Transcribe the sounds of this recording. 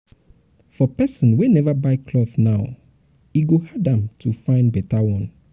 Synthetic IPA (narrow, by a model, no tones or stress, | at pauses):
fɔpɛsɔ̃nwenɛvabaɪkʰlɔθnaʊ | iɡohadãmtʰufãɪ̃nbɛtawɔ̃n